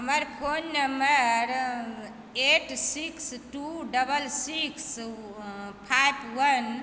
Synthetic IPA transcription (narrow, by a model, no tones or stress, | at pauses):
ɦəməɾpʰonːəmbəɾ | eʈsiksʈuɖəbəlsiks | pʰajpʰwən